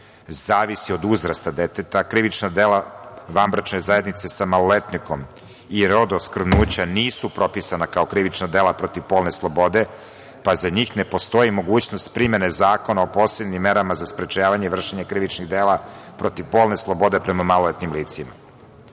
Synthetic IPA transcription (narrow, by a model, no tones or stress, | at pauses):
zaːʋisio̞d̪uzɾast̪ad̪et̪et̪akɾiʋit͡ʃnad̪elaʋambɾat͡ʃne̞zajed̪nit̪se̞samalˠolet̪niko̞m | iɾo̞d̪oskr̩vnuːt͡ɕaniːsupɾo̞pisanakao̞kɾiʋit͡ʃnad̪elˠapɾo̞t̪iʋpo̞ːlne̞slˠo̞bo̞d̪e̞ | pazaɲiːxne̞po̞st̪o̞jimo̞ɡuːt͡ɕnost̪pɾime̞nezaːko̞naopo̞ːsebnimːe̞ɾamazaspɾet͡ʃaːʋaɲeʋr̩ʃeɲekɾiʋit͡ʃniɣd̪eːlapɾo̞t̪iʋpo̞ːlˠne̞slˠo̞bo̞d̪e̞pɾemamalolet̪nimliːt̪sima̰